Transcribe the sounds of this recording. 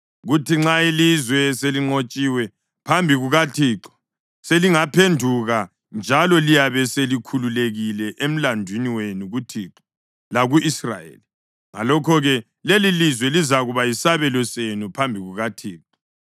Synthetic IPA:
ɣutiŋ͡ǁailizwɛseliŋ͡ǀot͡ʃʼiwɛ | pʰambʱiɣuɣatʰiːǁɔ̥ | seliŋapʰendʱuɣa | nd͡ʒʱalɔlijaβɛselikʰululeɣilɛʔem̩landʱwiniwenuɣutʰiːǁɔ̥ | laɣuisra̰jḛli | ŋa̰lɔkʰɔɣɛ | lelilizwɛlizaɣuβajisaβɛlɔsenupʰambʱiɣuɣatʰiːǁɔ̥

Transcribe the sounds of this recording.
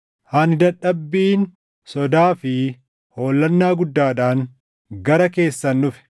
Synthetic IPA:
haːnɪd̪ɐᶑɐbːiːn | sɔd̪aːfɪ | ho̞ːlːɐnːaːɡʊd̪ːaːᶑaːŋ | ɡɐɾɐke̞ːsːɐnːʊfɪ̥

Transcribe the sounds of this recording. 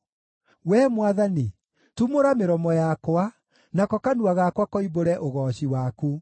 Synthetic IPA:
wɛmwaðani | tumoɾameɾɔmɔjakwa | nakɔkanuaɣakwakɔiboɾɛʔoɣɔɕiwaku

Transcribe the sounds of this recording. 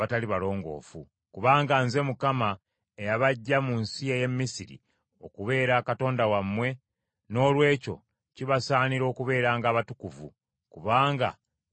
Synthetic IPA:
ataliβalo̞ːŋɡo̞̰ːfṵ | kuβaːŋɡanze̞mukama | ejaβaɟːamunsieje̞mːisiɾḭ | o̞kuβe̞ːɾaːkato̞ːndawamːwe̞ | no̞ːlwe̞ːco̞̰ | ciβasaːniɾo̞ːkuβe̞ːɾaːŋɡaːβatukuvṵ | kuβaːŋɡa̰

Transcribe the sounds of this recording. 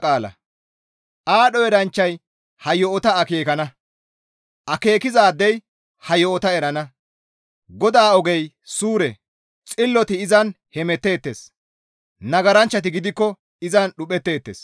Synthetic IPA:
aːlɐ̰ | ʔaːɗɔjɛɾɐnt͡ʃːɐj | hɐjɔɔt̪ɐːkeːkɐnɐ | ʔɐke̞ːkɪzaːd̪ːɛj | hɐjɔɔt̪ɐɛɾɐnɐ | ɡɔd̪aːɔɡɛj | suːɾɛ | t͡sʼɪlːɔt̪ɪɪzɐn | hɛmɛt̪ːe̞ːt̪ːe̞̰ːs | nɐɡɐɾɐnt͡ʃːɐt̪̬ɪɡɪd̪ɪkːɔ | ɪzɐnɗʊpɛt̪ːe̞ːt̪ːḛːs

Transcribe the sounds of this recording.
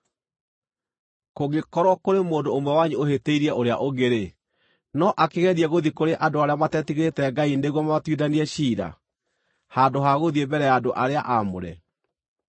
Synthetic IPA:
koɣekɔɾwɔkoɾemoːndoːmwɛwaɲeoheteiɾiɛʔoɾea̰ʔoɣeɾe | nɔʔakeɣɛðiɛɣoðikoɾeʔadoaɾeamatɛtiɣeɾetɛɡaineɣwɔmamatwiðaniɛɕiːɾa̰ | handoɦaɣoðiebɛɾɛjaːdoʔaɾeaʔamo̰ɾɛ̰

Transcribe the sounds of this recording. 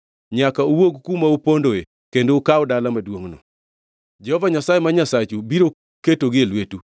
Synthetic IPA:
ɲakaowoɡkumaupondoe | kendoːkawdalamadwoŋnɔ̰ | d͡ʒɛhɔvaɲasajemaɲasat͡ʃubiɾo | ketoɡɪelwetu

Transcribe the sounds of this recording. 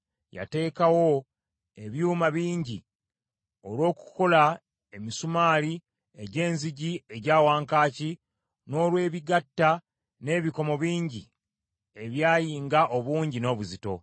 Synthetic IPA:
ja̰te̞ːkawo̞ | e̞βjuːmaβiːɲɟi | o̞lwo̞ːku̥ko̞la | e̞misumaːli | e̞ɟe̞ːnziɟie̞ɟaːwaːŋkaːci | no̞ːlwe̞ːβiɡatːa | ne̞ːβiko̞mo̞βiːɲɟi | e̞βjaːjiːŋɡaʔo̞βuːɲɟino̞ːβuzito̞̰

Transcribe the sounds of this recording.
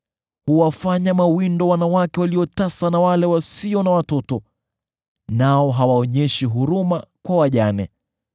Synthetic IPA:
huwafaɲamawindɔwanawakɛwaliɔtasanawalɛwasiɔnawatɔtɔ | naɔɦawaɔɲɛʃiɦuɾumakwawaʄanɛ

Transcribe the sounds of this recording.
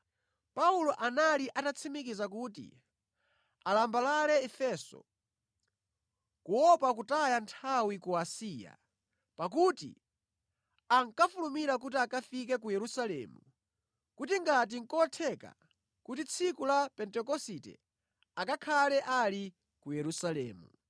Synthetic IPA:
paulɔʔanaliʔatat͡sʰimikizakutḭ | alambalalɛɛfɛːsɔ̰ | kuwɔpak̬utajantʰawikuasiːja̰ | pak̬utḭ | aŋkafulumiɾak̬ut̬iakafik̬ɛk̬ujɛɾusalɛ̰ːmu | kutiŋɡat̬iŋ̩kɔtʰɛka̰ | kutit͡sʰikulapɛntɛkɔsitɛ̰ | akakʰalɛʔali | kujɛɾusalɛ̰ːmu

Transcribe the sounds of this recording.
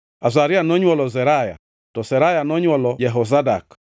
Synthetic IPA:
azaɾianɔɲɔlɔzɛɾaja̰ | tɔsɛɾajanɔɲɔlɔjɛɦɔzada̰k

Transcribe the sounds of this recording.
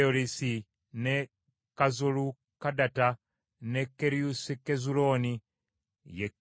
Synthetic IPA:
oɾisi | ne | kazulu | kadata | nekːeɾiusikezuloːni | je

